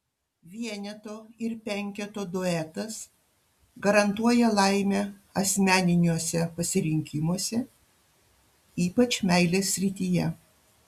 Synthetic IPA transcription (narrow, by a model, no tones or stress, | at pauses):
ʋʲiɛnʲɛt̪oːɪɾpʲɛŋʲkʲɛt̪oːd̪oɛt̪ɐs | ɡɐɾɐnt̪uɔjɛlˠɐɪmʲɛɐsʲmʲæːnʲɪnʲuɔsʲɛpɐsʲɪɾʲɪŋʲkʲɪmuɔsʲɛ | iːpɐt͡ʃmʲɛɪlʲeːsʲːɾʲɪt̪ʲijɛ